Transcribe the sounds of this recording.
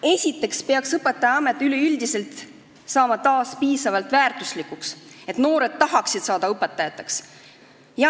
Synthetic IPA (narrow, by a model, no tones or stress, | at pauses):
e̞sʲit̪ːˑe̞kspeɑksɤpe̞t̪ːˑɑjɑɑme̞t̪ːˑyleyld̪ise̞lt̪ˑ | sɑːmɑt̪ɑːspiːsɑvɑlt̪ˑvæːrt̪ˑuslikːukse̞t̪no̞ːɾe̞d̪̥̚t̪ɑɦɑksid̪̥sɑːd̪̥ɑɤpe̞t̪ːˑɑjɑt̪ːˑeks | jɑ